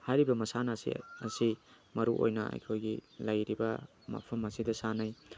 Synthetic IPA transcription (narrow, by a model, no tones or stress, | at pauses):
hajɾibɐmɐsanɐsḭɐsi | mɐɾuʔo̰jnɐ̰a̰jkʰojɡilɐjɾibɐ | mɐ̰pʰɐmɐsidɐsanaj